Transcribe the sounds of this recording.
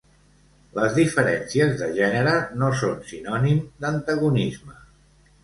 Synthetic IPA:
ləzðifəɾɛnsiəzðəʒɛnəɾənosonsinɔnimd̪ənt̪əɣunizmə

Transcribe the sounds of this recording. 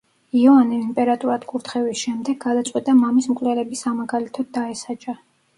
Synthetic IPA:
iɔaniimpʼɛɾat̪ʼuɾad̪kʼuɾt̪ʰχɛvisʃɛmd̪ɛɡad̪at̪sʼwit̪ʼamamismkʼlɛlɛbisamaɡalit̪ʰɔd̪aɛsat͡ʃʼa

